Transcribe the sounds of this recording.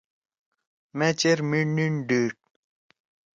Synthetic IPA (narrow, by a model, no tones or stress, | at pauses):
met͡ɕeɾmininɖiːʈ̚